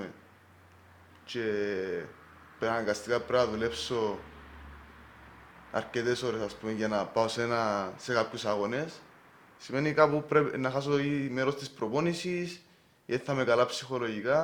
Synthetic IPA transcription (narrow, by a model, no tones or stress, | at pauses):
ḛ | t͡ʃe̞ | peɾanaɡast̪ikapɾenaðule̞pso̞ | a̰ɾce̞t̪e̞so̞ɾesaspumeʝanapaosenase̞kapçusaɣo̞ne̞s | simenikapupɾenaxas̬oime̞ɾo̞st̪ispɾo̞ponisis | eθːame̞kalapsixo̞lo̞ʝika